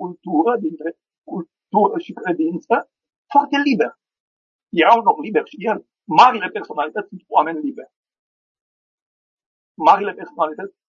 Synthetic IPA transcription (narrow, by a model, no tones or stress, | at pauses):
kult̪uɾəd̪int̪ɾe | kul | t̪uɾəʃikɾe̞d̪int̪sə | foart̪e̞libe̞r | jeɾawunomliberʃijel | maɾile̞perso̞nalit̪ət̪sʲsunt̪oame̞nʲlibe̞rʲ | maɾile̞pe̞rso̞nalit̪ət̪sʲ